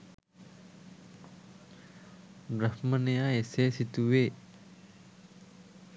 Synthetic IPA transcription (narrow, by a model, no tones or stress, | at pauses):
bɾɐhmənejaeseːsit̪uweː